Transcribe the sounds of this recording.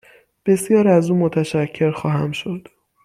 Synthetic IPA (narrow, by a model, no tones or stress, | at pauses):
b̥e̞sjɒːɾæzuːmot̪ʰæʃæcʰːe̞ɾxɒːɦæmʃo̞d̪̥